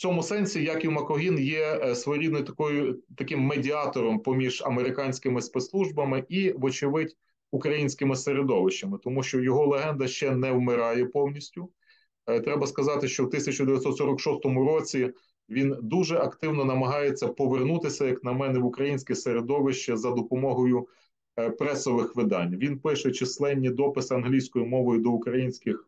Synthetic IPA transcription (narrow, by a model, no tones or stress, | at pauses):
t͡sʲɔmʊsɛnʲsʲijɑkʲiwmɐkɔɦʲinjɛsʋɔjɾʲid̪nɔjt̪ɐ̥kɔjʊt̪ɐkɪmːedʲiɑt̪ɔɾɔmpɔmʲiʒɐmeɾɪkɑnʲsʲkɪmɪspet̪slˠuʒbɐmɪʔiʋɔt͡ʃɪʋɪtʲ | ukɾɐjinʲsʲkɪmɪseɾed̪ɔʋɪʃt͡ʃːɐmɪt̪ɔmuʃt͡ʃɔjɔɦɔlˠeɦɛnd̪ɐʃt͡ʃɛnɛwmɪɾɑjɛpɔwnʲisʲtʲʊ | t̪ɾɛbɐskɐzɑt̪ɪʃt͡ʃɔwt̪ɪsʲɐt͡ʃʊd̪eʋʲjɐt̪sɔt̪sɔɾɐkʃɔst̪ɔmʊɾɔt͡sʲi | ʋʲind̪uʒɛʔɐkt̪ɪwnɔnɐmɐɦɑjet͡sʲːɐpɔʋernut̪ɪsʲɐjɐknɐmɛnɛʋʊkɾɐjinʲsʲkʲɛseɾed̪ɔʋɪʃt͡ʃɛzɐd̪ɔpɔmɔɦɔjʊ | pɾɛsɔʋɪxʋɪd̪ɑnʲʋʲinpɪʃɛt͡ʃɪslˠɛnʲːid̪ɔpɪsɪɐnɦlʲijsʲkɔjʊmɔʋɔjʊd̪ɔukɾɐjinʲsʲkɪx